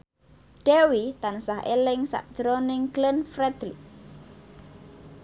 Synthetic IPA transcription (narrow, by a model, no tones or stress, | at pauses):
ɖ̥ewit̪ansaɦʔḛlɪŋsa̰ʔd̥ʒ̥əɾonɪŋɡlɪnfɾɛd̪̥li